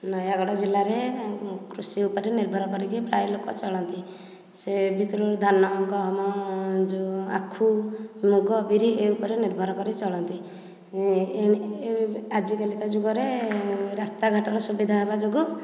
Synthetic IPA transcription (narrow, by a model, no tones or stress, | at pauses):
nɔjaɡɔɽɔd͡ʒilaɾekɾusiupɔɾeniɾbʱɔɾɔkɔɾikipɾajlokɔ̰t͡ʃɔɭɔnt̪i | sebʱit̪ɾuɾd̪ʱanɔːɡɔɦɔmɔd͡ʒua̰kʰːumuɡɔbʱiɾieupɔɾeniɾbʱɔɾɔkɔɾit͡ʃɔɭɔnt̪i | e | ad͡ʒikelikad͡ʒuɡɔɾeɾast̪aɡʱaʈɔɾɔsubid̪ʱaɦebad͡ʒoɡu